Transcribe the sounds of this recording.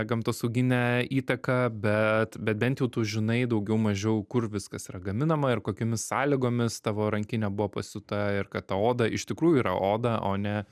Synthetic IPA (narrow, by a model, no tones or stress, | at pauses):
ɡɐmt̪oːsɐʊɡʲɪnʲɛiːt̪ɐkɐbʲɛt̪bʲɛt̪̚bʲɛnt̪jɛʊt̪uːʒʲɪnɐɪd̪ɐʊɡʲɛʊmɐʒʲɛʊkʊrʋʲɪskɐsiɾɐɡɐmʲɪnɐmɐɪrkoːkʲoːmʲɪssɑːlʲɪɡoːmʲɪst̪ɑːʋoːɾɐŋʲkʲɪnʲɛbʊʋoːpɐsʲʊt̪ɐɪrkɐt̪tɐoːd̪ɐʔɪʃt̪ʲɪkɾuːjʊiːɾɐ̰ʔoːd̪ɐʔoːnʲɛ